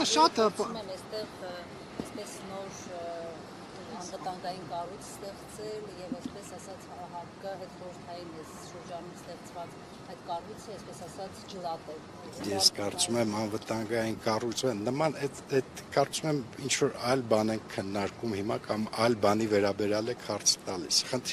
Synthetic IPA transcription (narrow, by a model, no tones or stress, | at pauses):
ʃɑt̪mɛmɛst̪ɛʁ | ɛspɛsnɔɾ | ɑnvət̪ɑŋɡɑjinkɑrujt͡sʰst̪ɛχt͡sɛljɛvɛspɛsɑsɑt͡shɾɑɦɑɾkəɦɛt̪χɔɾəɾt̪ʰɑjinɛs | ʃəɾd͡ʒɑnumst̪ɛχt͡sʰvɑt͡s | ɑjt̪kɑrujt͡sʰəɛspɛsɑsɑt͡sʰd͡ʒəlɑt̪ɛl | jɛskɑɾt͡sumɛmɑnvət̪ɑŋɡɑjinkɑrujt͡sʰənəmɑnɛt̪ɛt̪kɑɾt͡sumɛmint͡ʃʰvɔɾɑjlbɑnɛŋkʰːənːɑɾkumhimɑkɑmɑjlbɑnivɛɾɑbɛɾjɑlɛkʰhɑɾt͡sʰt̪ɑlḭsχənt̪ʰ